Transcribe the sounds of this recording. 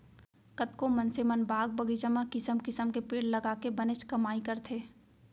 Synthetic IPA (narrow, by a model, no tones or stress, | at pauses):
kət̪kõmɐ̃nsemənbaːɡ̚bɐɡid͡ʒəmakɪsəmkɪsəmkepeːɽlɐɡaːkebɐnɪt͡ʃkɐmaːikɐɾt̪ʰeː